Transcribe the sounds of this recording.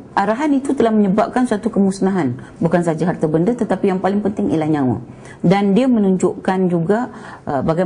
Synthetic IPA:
ʔaɾaɦanit̪ut̪əlahməɲəbap̚kansuat̪ukəmusnaɦan | bukansad͡ʒaɦart̪abəndət̪ət̪apijaŋpalɪŋpənt̪ɪŋʔḭlahɲãwa̰ | dandiamənuɲd͡ʒʊʔkand͡ʒuɡa | baɡa

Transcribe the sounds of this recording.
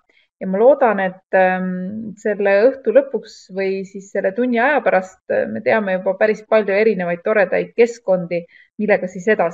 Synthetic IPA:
jɑmɑlo̞ːd̪̥ɑne̞t̪ːˑ | se̞lːe̞ɤht̪ulɤpːˑuksvɤjsisːe̞lːe̞t̪unʲːiɑjɑpæɾɑst̪me̞̰t̪e̞ɑme̞jub̥ɑpæɾispɑlʲjoe̞ɾine̞vɑjd̪̥̚t̪o̞ɾe̞d̪̥ɑ̰jd̪̥̚ke̞sko̞nd̪̥i | milːe̞ɡ̥ɑsise̞d̪̥ɑs

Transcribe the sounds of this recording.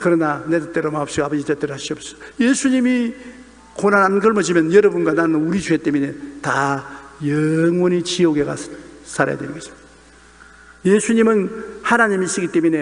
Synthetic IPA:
kɯɾʌnane̞dɯt͈eɾomaʌpɕ͈iɡabʌd͡ʑitet͈eɾoɦaɕ͈iʌpssʌ̥jesʰuɲimi | konananɡɯɭmʌd͡ʑimjʌnjʌɾʌbunɡananɯnuɾid͡ʑʰuet͈emine̞tajʌŋwʌnit͡ɕioɡe̞ɡa̰sʰaɾa̰ja̰dwenɯnŋɡʌd͡ʑo̥ | jesʰuɲimɯnhanaɲimiːs͈ɯɡit͈emine̞

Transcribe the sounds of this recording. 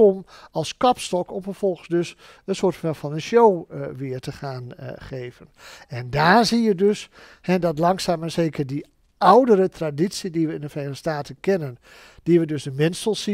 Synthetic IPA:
ɔmɑlˠskɑpstɔkɔmfəɹfɔlˠxəsdøs | ənsʊːtɛfɑnənʃowʋɪːəɹtəχaːnχeːvənɛndaːɹzijədøs | hɛdɑtlɑŋsaːmɛnseːkəɹdi | awdəɾətraditsidiʋəɪndəfrenəəstaːtənkɛnən | d̥iʋədøsdəmɪnsəlˠsi

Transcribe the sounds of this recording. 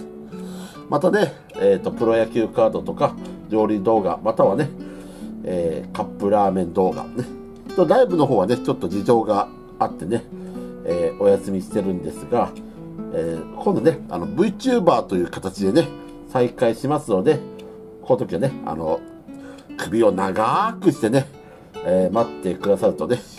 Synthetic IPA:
mʔat̪ane̞ | eːt̪ːo̞pɯ̟ɾo̞jakʲɨːkaːd̪o̞t̪o̞kaɾʲo̞ːɾʲid̪o̞ːɡa̰mat̪aβane̞ | eːkapːɯ̟ɾaːmẽ̞nd̪o̞ːɡa̰ne | t̪oɾaibɯ̟no̞ɦo̞ːβane̞t͡ɕo̞t̪ːo̞d͡ʑiʑo̞ːɡa | at̪ːe̞ne̞eːo̞jasɨmʲiɕi̥t̪e̞ɾɯ̟̃nd̪e̞sɨɡa | eːkʰõ̞nd̪one̞a̰no̞bɯ̟it͡ɕɨːbaːt̪o̞jɯ̟ːkḁt̪at͡ɕid̪e̞ne̞ | saikaiɕimasɨno̞d̪e̞ | ko̞not̪o̞kʲiβane̞a̰no̞ | kʰɯ̟bʲio̞naɡakɯ̟ɕi̥t̪e̞ne̞ | eːmat̪ːe̞kɯ̟d̪asaɾɯ̟t̪o̞ne̞

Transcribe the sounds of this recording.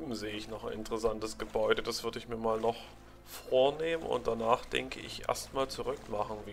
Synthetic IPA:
m̩zeːəɪçnɔχanɪntəʁəsantəsɡ̥əbɔʏdədasv̥ʏɐdəɪçmiːɐmaːlnɔχ | foːɐneːmənʊ̰nt̚d̥anaːχd̥ɛ̰ŋkʰəʔɪ̰çʔḛɐstmaːlt͡suʁʏkmaχn̩viː

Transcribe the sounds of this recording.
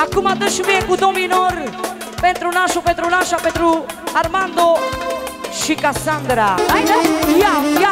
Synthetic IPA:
akumad̪əʃuvekud̪ominoɾ | pẽnt̪ɾunaʃuped̪ɾunaʃaped̪ɾuaɾmãnd̪o | ʃikasãnd̪ɾaajnajaa

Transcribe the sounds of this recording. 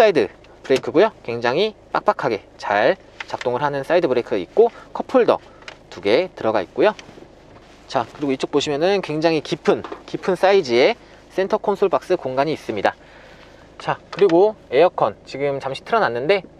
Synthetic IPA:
s͈aidɯ | pɯɾekʰɯɡojokwe̞ŋd͡ʑaŋɦip͈a̰k̚p͈akʰaɡe̞ | t͡ɕaɭ | t͡ɕak̚t͈oŋɯɭɦanɯns͈aidɯbɯɾekʰɯit̚k͈okʰʌpʰoɭdʌ̰ | tuɡe̞tɯɾʌɡait̚k͈ojo | t͡ɕakɯɾiɡoit͡ɕ͈ok̚p͈oɕʰimjʌnɯnkwe̞ŋd͡ʑaŋɦikipʰɯnkipʰɯns͈aid͡ʑie̞ | s͈e̞ntʰʌkʰonsʰoɭbak̚s͈ɯkoŋɡaɲiːs͈ɯmɲida | t͡ɕakɯɾiɡoe̞jʌkʰʌnt͡ɕiɡɯmt͡ɕamɕ͈ʰi̥tʰɯɾʌnanːɯnde̞

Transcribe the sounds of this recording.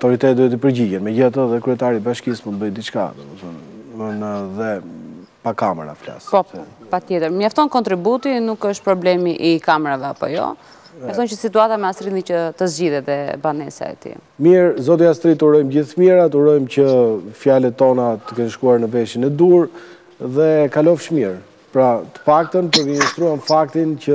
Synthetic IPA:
at̪ɔɾit̪ɛt̪d̪uɛt̪̬ipəɾɟiɟɛnmɛɟəat̪əðɛkɾyɛt̪aɾibaʃkist̪munt̪̚bəjd̪it͡ʃka̰d̪̰ | ənəðɛ | pakamɛ̰ɾa̰fla̰spɔpat̪jɛt̪əɾmjaft̪ɔnkɔnt̪ɾibut̪inukəʃt̪̚pɾɔblɛmiʔikamɛɾavɛapɔ̰jɔ̰ | jaft̪ɔncəsit̪uat̪amɛast̪ɾinicət̪əzd͡ʑiðɛɛbanɛsa̰ɛ̰t̪ḭmiɾzɔt̪iast̪ɾit̪uɾɔjmd͡ʑiθmiɾat̪uɾɔjmcəfjalɛt̪ːɔnat̪ə̥kɛnʃkuaɾnəvɛʃinɛd̪uɾ | ðɛkalɔfʃmiɾ | pɾat̪ə̥pak̚t̪ənpəɾvinist̪ɾuanfak̚t̪incə

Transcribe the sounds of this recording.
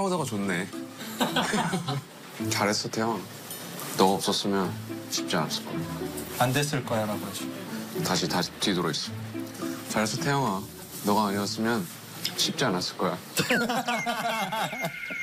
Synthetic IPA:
aodaɡat͡ɕonːe̞ | t͡ɕaɾes͈ʰʌtʰeʌŋa | nʌɡʌp̚s͈ʌs͈ɯmjʌnɕʰip̚t͡ɕ͈ia̰nas͈ɯ̥ɭk͈ʌjandes͈ɯɭk͈ʌjaɾaɡoɦaɕi̥taɕʰitatidoɾois͈ɯ | t͡ɕaɾesʰʌtʰeʌŋa | nʌɡaːɲiʌs͈ɯmjʌn | ɕʰip̚t͡ɕ͈ianas͈ɯɭk͈ʌja

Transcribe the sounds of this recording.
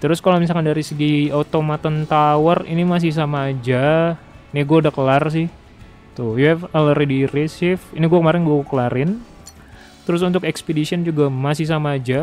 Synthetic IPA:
t̪əɾʊskalomis̬alkandaɾisəɡiaut̪omat̪ənt̪awarḭnimas̬ɪhs̬amaːd͡ʒa | niɡuaudahkəlars̬ɪh | t̪ʊjɛələɾidiɾesɪfiniɡuakəmaɾɪnɡuakəkəlaɾɪn | t̪əɾʊs̬unt̪ʊkɛkspedisiənd͡ʒuɡamasɪhsamaːd͡ʒa

